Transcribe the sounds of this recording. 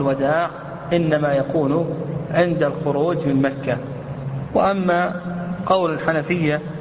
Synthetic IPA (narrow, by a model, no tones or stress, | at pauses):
lwad̪aːʕ | ʔɪnːamajakuːnʊʕɪnd̪alxʊɾuːd͡ʒmɪnmakːa | wɪʔamːaqɑwlalħanafɪjːa